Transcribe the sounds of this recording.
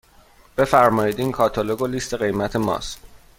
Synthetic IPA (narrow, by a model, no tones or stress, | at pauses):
b̥e̞fæɾmɒːjiːd̪iːnkʰɒːt̪ʰoloɡoliːst̪ʰe̞ɣe̞jmæt̪ʰe̞mɒ̰ːst̪